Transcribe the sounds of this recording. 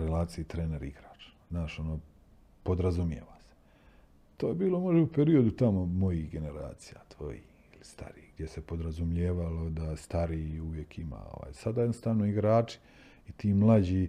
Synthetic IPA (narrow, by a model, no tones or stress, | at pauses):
ɾelaːt̪sijit̪ɾeːne̞ɾiɡɾaːt͡ʃ | naːʃo̞noː | po̞d̪ɾazumjḛʋase̥ | t̪oːjebiːlˠo̞mo̞ʒeupe̞ɾio̞d̪ut̪amomo̞jihɡe̞ne̞ɾa̰ːt̪sija̰t̪ʋo̞̰jḭ | ilist̪a̰ɾiːɡd̪jesepo̞d̪ɾazumʎeːʋalo̞d̪ast̪aɾiuʋje̞kʰima̰o̰ʋa̰ːjsad̪ajed̪ost̪aːʋnoiɡɾaːt͡ʃi̥ | it̪iːmlˠad͡ʑiː